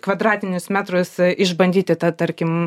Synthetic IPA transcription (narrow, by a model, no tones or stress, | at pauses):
kʋɐd̪ɾɑːt̪ʲɪnʲʊsmʲæːt̪ɾʊsɪʒbɐnʲd̪ʲiːt̪ʲɪt̪ɐt̪ɐɾʲkʲɪm